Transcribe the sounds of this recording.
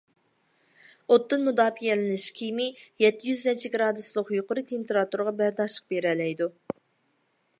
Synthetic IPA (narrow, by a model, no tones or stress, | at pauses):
ot̪ːɨnmud̪ɑːfijɛlɪnɪʃkʲʰijmɪjɛt̪ːɪjyznɛt͡ʃʰiɡʲɾɑd̪uslˠʊqjuqʊɾɨt̪ʰempeɾɑt̪uɾʁɑbæɾd̪ɑʃlˠə̥q̚beɾɛlɛjd̪u